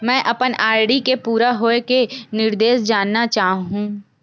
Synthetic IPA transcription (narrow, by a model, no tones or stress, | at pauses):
mɛ̃ːʔɐpənaːɾɽikepuːɾaɦoːekenɪɾd̪eːʃd͡ʒaːnːat͡ʃaːɦũː